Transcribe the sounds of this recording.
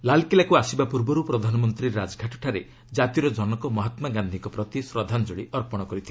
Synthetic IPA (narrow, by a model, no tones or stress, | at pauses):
lalkilakuasibapuɾbɔɾupɾɔd̪ʱanɔmɔnt̪ɾiɾːad͡ʒɡʱaʈɔʈʰaɾe | d͡ʒat̪iɾɔd͡ʒɔnɔkɔmɔɦat̪maɡand̪ʱikɔpɾɔt̪isɾɔd̪ʱanɔd͡ʒoɭiɔɾpɔɽ̃ɔkɔɾit̪ʰi